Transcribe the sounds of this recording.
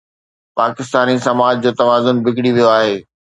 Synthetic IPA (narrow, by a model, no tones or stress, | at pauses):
paːkɪst̪aːnisɐmaːd͡ʑd͡ʑoːt̪ɐʋaːzʊnbʱɪkɽiʋijoaːɦeː